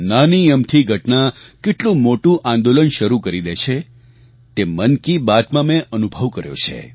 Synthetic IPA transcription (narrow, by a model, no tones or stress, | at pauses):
nanijəmt̪ʰiɡʱəʈnakeʈlũmoʈũʔãnd̪olənʃəɾukəɾid̪et͡ʃʰe | t̪emənkibad̪mãmẽʔənubʱəʋkəɾjo̰t͡ʃʰḛ